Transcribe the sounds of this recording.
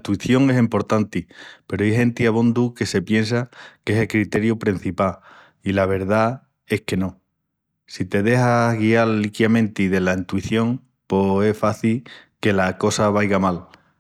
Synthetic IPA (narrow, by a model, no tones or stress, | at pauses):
t̪uiθjo̞ŋe̞simpo̞ɾt̪ant̪ipe̞ɾoiɦe̞nt̪iaβ̞ond̪uke̞se̞pje̞ns̬ake̞selkɾit̪e̞ɾjupɾin̟θipa | ilaβ̞e̞ɾð̞a | e̞hke̞no̞ | sit̪e̞ðe̞haɣiallikjamẽnt̪iðe̞laint̪uiθjo̞ŋ | poe̞faθilke̞lako̞saβajɣamal